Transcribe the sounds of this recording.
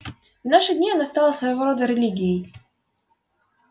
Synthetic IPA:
unaʂɨd̪ʲnʲianast̪alˠɐsvɐjɐvɔɾɔd̪ɐɾɛlʲiɡʲiji

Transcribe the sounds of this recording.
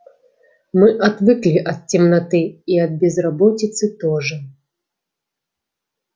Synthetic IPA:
mɨʔad̪vɨklʲiʔɐt̪̚t͡sʲɛmnat̪ɨiɐd̪̚bʲɛzrabɔt͡sʲit̪sɨt̪ɔʐɐ

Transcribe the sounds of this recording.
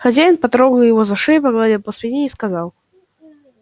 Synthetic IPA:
xɐzʲajɪnpat̪ɾɔɣjɪvɔzɐʂɛjpɐɣlˠad̪ʲɛwpɔsʲlʲɛnʲejiskazaw

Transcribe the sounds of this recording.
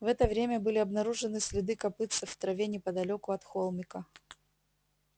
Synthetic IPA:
vɛt̪əvɾʲemʲəbɨlʲɪɐbnɐɾuʐɨnɨsʲlʲɪd̪ɨkɐpɨt̪sɨfːt̪ɾɐvʲenʲɪpəd̪ɐlʲokʊɐt̪xolˠmʲɪkə

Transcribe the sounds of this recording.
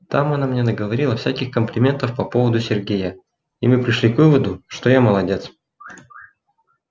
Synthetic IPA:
t̪amɐnamnʲe̞nəɡəvɐɾʲilˠɐfsʲækʲɪxkəmplʲɪmʲe̞nt̪əfpɐpovəd̪ʊsʲɪrɡʲejə | imɨpɾʲɪʂlʲikvɨvəd̪ʊʂt̪ojaməlˠɐdʲe̞t̪s

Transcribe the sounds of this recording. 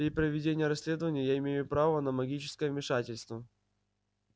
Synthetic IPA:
ipɾəvʲɪdʲenʲɪjəɾɐsʲlʲe̞d̪əvənʲɪjəjaɪmʲejʊpɾavənəmɐɡʲit͡ɕɪ̥skəjəvmʲɪʂatʲɪlʲst̪və

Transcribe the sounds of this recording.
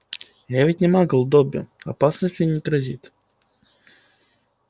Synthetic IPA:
javʲɪtʲnʲɪmaɡəlˠʊd̪obʲɪʊ̰ɐ̰pasnəsʲtʲɪnʲɪk̪ɾɐzʲit̪

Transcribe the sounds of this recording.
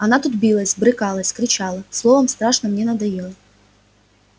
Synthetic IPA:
ɐnat̪ut̪bʲilˠɐsʲbɾɨkɑlˠɐsʲkɾʲɪt͡ɕɑlˠɐslˠovɐmst̪ɾɑʂnɐmnʲenɐd̪ɐjɛlˠɐ

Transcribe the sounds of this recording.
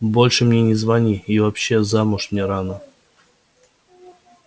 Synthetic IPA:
bo̞lʲʂɨmnʲenʲɪzvanʲiivapɕːezamʊʂmnʲeɾanə

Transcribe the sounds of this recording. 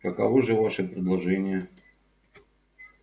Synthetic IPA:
kɐkɐ̰voʐɨvaʂɨpɾʲɪd̪lˠɐʐɛnʲɪjə

